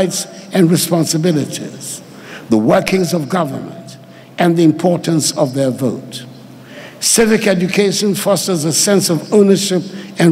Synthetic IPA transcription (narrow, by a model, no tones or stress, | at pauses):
ɪtsɨ̃nɹɨspɑ̃nsɨbɪlˠɨɾḭz̥ | ðəwɜ˞kʰɪ̃ŋzʌvɡʌvə̰˞mə̰̃nt | ɨ̃nðiɨ̃mpʰɔɹʔn̩sʌvðə˞voʊt | sɪvɨkɛd͡ʒɨkʰeɪʃɨ̃nfɔsə˞zəsɛ̃nsʌvõʊ̃nə˞ʃɪp̚ɨ̃n